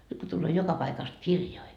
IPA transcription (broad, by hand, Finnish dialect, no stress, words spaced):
nyt ko tulːoː jokɑ pɑikɑst kirjoi